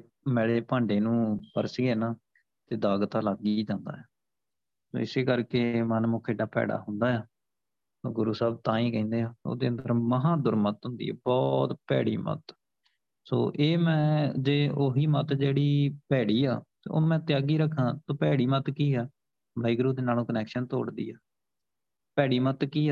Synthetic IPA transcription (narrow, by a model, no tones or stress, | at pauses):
mɛːɽeːpãːɳɖeːnũːpə̰ɾsɡeːnaː | t̪eːd̪aːɡt̪aːlaɡiːd͡ʒãːnd̪a̰ːjaː | so̰ːɪseːkəɾkeːmənmʊːkʰeːɖaːpɛ̰ːɽa̰ːɦʊnd̪aːjaː | soːɡʊɾuːsaːb̚t̪ãːĩːkɛ̃ĩːnd̪eːãːo̰ːd̪eːənd̪əɾməɦãːd̪ʊɾmət̪ɦʊ̃nd̪ḭːɛ̰ːbɔːt̪pɛ̰ːɽḭːmə̰t̪ | so̰ːʔeːmɛ̃ːd͡ʒeːoːɦiːmət̪d͡ʒeːɽiːpɛːɽiːaːt̪ḛːo̰ːmɛ̃ːt̪ɪjaːɡiːɾəkʰːãːt̪õːpɛːɽiːmət̪kiːɛː | bʱaːiːɡʊɾuːd̪eːnaːlõːkənɛːkʃənt̪o̰ːɽd̪ḭːɛː | pɛːɽiːmət̪kiːɛː